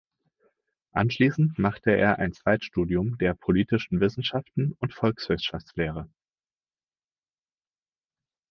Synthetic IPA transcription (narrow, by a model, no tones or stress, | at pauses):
ʔa̰nʃliːsn̩tmaχtəḛːɐʔa̰ɪnt͡sv̥aɪtʃtuːdiʊmdeːɐpʰoliːtɪʃn̩vɪsn̩ʃaftn̩ʊntfɔlksv̥ɪsʃaft͡sleːʁ̞ə